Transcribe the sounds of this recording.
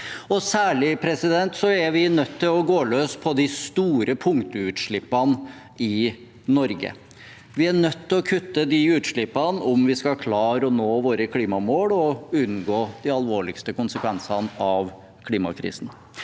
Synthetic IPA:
ɔsæːɭɪpʰɾɛsɪd̪ɛnt̪sɔæʋɪnœt̪ʰːɪlɔɡoːløːspʰɔd̪ɪst̪uːɾəpʰʊŋt̪ʊʉːt̪ʂɭɪpːɑn | ɪ | nɔɾɡə̰ | ʋɪæɳœt̪ʰːɪlɔkʰʉt̪ːəd̪ɪʉːt̪ʂɭɪpːɑnɔmʋɪskɑkʰlɑːɾɔnoːʋoːɾəkʰliːmɑmoːɽɔʉnɡoːd̪ɪɑlʋoːɭɪkst̪əkʊnsəkʰʋɛnsɑnɑʋ | kʰliːmɑ̰kʰɾḭːsn̩

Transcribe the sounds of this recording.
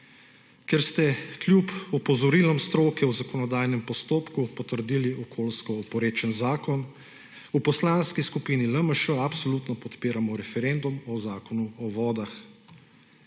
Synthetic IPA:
kɛɾst̪ɛkljupɔpɔzɔɾiːlɔmst̪ɾoːkɛwzakɔnɔd̪aːjnɛmpɔst̪oːpkupɔt̪əɾd̪iːliʔɔkʰoːlskɔɔpɔɾeːt͡ʃənzaːkɔn | upɔslaːnskiskupiːniləməʃəapsɔlut̪nɔpɔt̪peːɾamɔɾɛfɛɾend̪umɔzaːkɔnuɔʋɔːd̪ax

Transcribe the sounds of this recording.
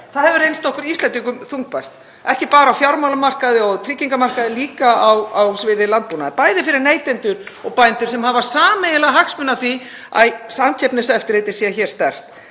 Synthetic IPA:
θaðhɛvʏɾejnst̪ɔhkʏɾist̪lɛnt̪ikʏmθuŋk̚pajst̪ | ɛhcɪpaːɾaːwfjawɾmawlamar̥kaðɪɔɣt̪ʰɾicːiŋkamar̥kaðɪliːkaawawsvɪːðɪlant̪̚puːnaðɪpaːjðɪfɪɾɪɾneːjt̪ɛnt̪ʏɾɔɣpajnt̪ʏɾsɛmhavasaːmejɪlaɦakspʏnːatθi | a̰jsamcʰɛpnɪsaɛft̪ɪɾ̥et̪ɪ̥sɛçɛɾ̥st̪ɛr̥t̪

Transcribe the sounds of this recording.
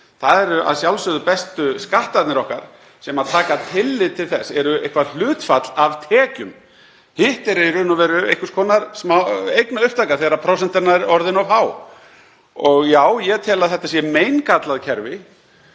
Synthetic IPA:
θaðɛɾʏʔa̰ðsjawlsʏðʏpɛst̪ʏskaht̪at̪nɪɾɔhka̰ɾ̥ | sɛmaðt̪ʰaːkat̪ʰɪlːɪðt̪ʰɪlθɛsːɛɾʏejhkvaɾl̥ʏːt̪fat̪lavt̪ʰɛːcʏm | hɪht̪ɛɾɪiɾɪnɔvɛːɾʏḛjhkʏɾskʰɔːnaɾ̥smaejknaʏhp̚t̪ʰakaθɛːɣɾapʰɾɔwsɛnt̪ɪɾnaɾɔɾðɪnɔvɦaːw | ɔɣjaːwjɛt̪ʰɛːlaðθɛht̪asjɛmeːjnkat̪laðcʰɛɾvɪ

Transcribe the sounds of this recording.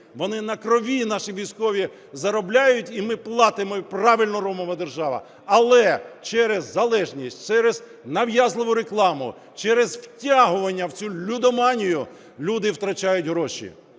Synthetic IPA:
ʋɔnɪnɐkɾɔʋʲinɑʃiʋʲijsʲkɔʋʲi | zɐɾɔblʲajʊtʲimɪplˠɑt̪ɪmɔprɑʋɪlʲnɔɾɔmɔʋɐd̪erʒɑʋɐ̰ | ɐlˠɛt͡ʃɛɾɛzːɐlˠɛʒnʲisʲtʲt͡ʃɛɾez | nɐwjazlˠɪʋʊɾeklˠɑmʊ̰ | t͡ʃɛɾɛzwtʲaɦʊʋɐnʲːɐwt͡sʲulʲːud̪ɔmɑnʲijʊ | lʲud̪ɪwt̪ɾɐt͡ʃajʊtʲɦɾɔʃḭ

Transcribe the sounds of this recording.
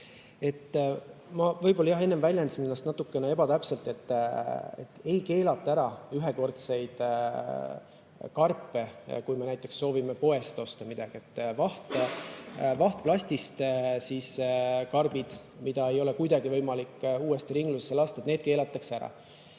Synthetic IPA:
e̞t̪ːmɑvɤjbo̞lɑjɑɦenːemvælʲjend̪sinenːɑst̪nɑt̪ːˑukːe̞nee̞bɑt̪æpse̞lt̪ˑe̞t̪ːet̪ːe̞jke̞ːlɑt̪ˑːɑæɾɑyɦeko̞rt̪se̞jd̪̥ | kɑrpːe̞kujme̞næjt̪ːˑe̞ksːo̞ːvimepo̞e̞st̪o̞st̪ɑmid̪̥ɑɡ̥ie̞t̪ːvɑht̪ | vɑht̪̚plɑsʲt̪ist̪siskɑrb̥id̪̥ | mid̪̥ɑe̞jo̞lekujd̪ɑɡivɤjmɑlikːuːe̞st̪iɾiŋɡlusesːelɑːst̪ɑet̪neːd̪̚ke̞ːlɑt̪ːˑɑkseæɾɑ̰

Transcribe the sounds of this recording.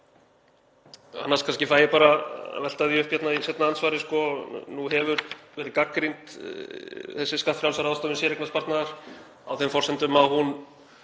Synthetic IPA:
a̰nːaskʰanscɪfaːjɪpaːɾa̰vɛlt̪aðiʏhpjɛt̪naisɛt̪naansvaːɾɪskɔnuɦɛvʏɾvɛːɾɪkakːɾint̪ | θɛsːɪskat̪fɾjawlsaɾawst̪ɔvʏnsjɛɾɛknaspaɾt̪naðaɾ̥ | a̰wθɛmfɔr̥sɛnt̪ʏmaðhun

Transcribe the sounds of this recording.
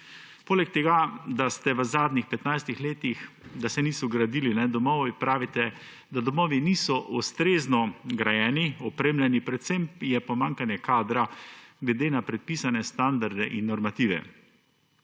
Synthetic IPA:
poːlɛk̚t̪ɛɡad̪ast̪ɛʋəzaːd̪nixpɛt̪najst̪ixleːt̪ix | d̪asɛniːsɔɡɾad̪iːlinɛd̪ɔmɔːʋipɾaːʋit̪ɛ | d̪ad̪ɔmɔːʋiniːsɔʔust̪ɾeːznɔɡɾajɛːniɔpɾeːmlʲɛnipɾɛt̪sɛmjɛpɔmaŋkanjɛkaːd̪ɾaɡlɛd̪eːnapɾɛt̪̚piːsanɛst̪and̪aɾd̪ɛʔinːɔɾmat̪iːʋɛ̰

